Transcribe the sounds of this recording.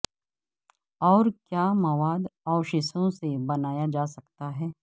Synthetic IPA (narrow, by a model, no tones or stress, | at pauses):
ɔːɾkjaːmɐʋaːd̪ɔːʊʃɪsõsebɐnaːjad͡ʒaːsɐkt̪aɦɛː